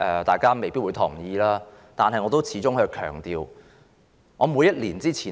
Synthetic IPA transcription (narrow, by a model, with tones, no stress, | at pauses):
ʔɛː˨˩t̪aː˨jkaː˥me˨˩jpiː˥t̚u˨˧jt̪ʰʊ˨˩ŋjiː˨˧laː˥ | t̪aː˨nɦɐ˨jŋɔː˨˧t̪o˥wt͡sʰiː˨˥t͡sʊ˥ŋhɵ˧kʰœː˨˩ŋt̪iː˨˧w | ŋɔː˨˧muː˨˧jɐ˥t̚liː˨˩nt͡siː˥t͡sʰiː˨˩